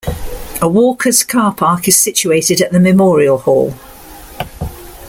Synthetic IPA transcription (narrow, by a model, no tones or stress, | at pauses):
əwɔˑkʰəz̥kʰɑːˑpʰɑˑkɪz̥sɪt͡ʃueɪtɪdəʔðəmɪmɔːɹiəlˠhɔ̰ːlˠ